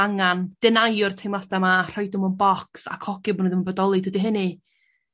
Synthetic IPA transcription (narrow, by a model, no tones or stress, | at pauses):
aŋand̥ɛnajʊrtʰejmlaθɛmar̥ɔjdʊmɔnbɔksa̰kʰɔɡ̥ɪbɔnoðəmnbɔdɔlˠɨdədiɦənɨ